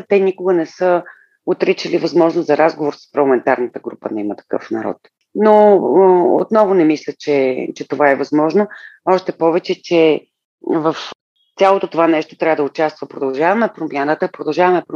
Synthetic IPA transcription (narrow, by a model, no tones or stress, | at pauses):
t̪ɛnikʊɡənɛsə | ot̪ɾit͡ʃəlivɐzmɔʒnozzɐɾazɡovoɾsə̥spɾɐɾlˠɐmɛnt̪aɾnət̪əɡɾupə̰nɛimət̪ɐ̥kɤ̰fnɐɾɔ̰t̪ | no | o̰t̪nɔvʊnɛmislʲət͡ʃɛt͡ʃɛt̪ovaɛvɐzmɔʒnoɔʃt̪ɛpɔvɛt͡ʃɛt͡ʃɛ | vəf | t̪sʲalˠot̪ot̪ovanɛʃt̪ot̪ɾʲavəd̪əʊt͡ʃast̪vəpɾod̪ɐlˠʒavɐmɛpɾomjanət̪əpɾod̪ɐlˠʒavɐmɛpɾ